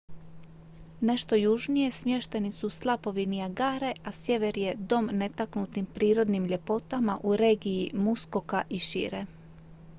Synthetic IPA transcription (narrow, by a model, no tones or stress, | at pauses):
ne̞ʃt̪o̞juʒnije̞smje̞ʃt̪e̞nisuslˠapo̞ʋinijaɡaːɾe̞ʔasje̞ʋe̞ɾje̞d̪o̞mne̞t̪aknut̪nimpɾiːɾo̞d̪nimʎe̞po̞t̪amaʔuɾe̞ːɡijimusko̞kaʔiʃḭɾe